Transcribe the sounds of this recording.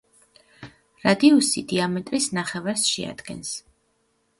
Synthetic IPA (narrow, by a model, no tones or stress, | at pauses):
ɾad̪iɔsḭd̪iamɛt̪ʼɾisnaχɛvaɾsʃɛ̰a̰d̪̥ɡɛ̰ns